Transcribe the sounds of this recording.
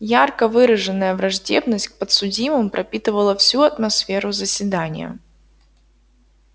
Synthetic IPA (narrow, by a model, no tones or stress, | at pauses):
jarkəvɨɾəʐɨnːəjəvɾɐʐdʲe̞bnəsʲtʲk̚pət̪sʊdʲimɨmpɾʔɐpʲit̪ɨvəlˠəfsʲuɐt̪mɐsfʲe̞ɾʊzəsʲvʲɪd̪anʲɪ̰jə̰